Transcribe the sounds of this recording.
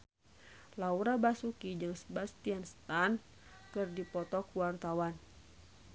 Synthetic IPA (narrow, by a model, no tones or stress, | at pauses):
lauɾabasukid͡ʒɨŋsəbast̪ianst̪an | kɨrdipɔt̪ɔkuwart̪awan